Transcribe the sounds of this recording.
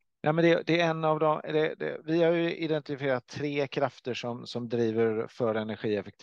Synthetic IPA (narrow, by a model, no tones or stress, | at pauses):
nʔɛːmɛnd̪ɛd̪ɛɛnːavd̪ɔmd̪ɛd̪ɛ̰vɪhaɾjɵɪd̪ɛnt̪ɪfɪeːɾat̪ʰːɾeːkʰɾaft̪əʂɔmsɔmd̪ɾiːvəɾfœɾɛnæɾɧiːɛfɛk̚t̪ʰ